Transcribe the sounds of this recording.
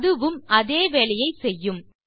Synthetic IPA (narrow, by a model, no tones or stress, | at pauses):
ðɯʋɯmʔɐðeːʋeːɭɐjɐɪsɛjːɯm